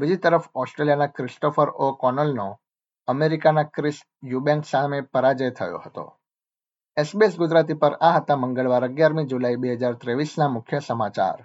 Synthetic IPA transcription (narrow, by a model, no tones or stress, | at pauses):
bid͡ʒit̪əɾəfɔsʈɾelijanakɾɪsʈofəɾokɔnəlno | əmeɾikanakɾɪs | jubɛ̃ŋksamepəɾad͡ʒəjt̪ʰəjo̰hət̪o̰ | esbiesɡʊd͡ʒɾat̪ipəɾaɦət̪aməŋɡəɭʋaɾəɡjaɾmid͡ʒulaibeɦəd͡ʒaɾt̪ɾeʋisnamʊkʰjəsəmat͡ʃa̰ɾ